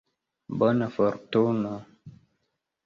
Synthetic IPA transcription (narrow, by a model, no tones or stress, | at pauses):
bɔnəfɔɾtonə